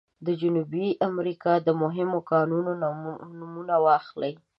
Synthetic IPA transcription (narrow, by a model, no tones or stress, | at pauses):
d̪əd͡ʒʊnubiʔamɾikɑd̪əmʊɦɪmokɑnunonnumunawɑxlaj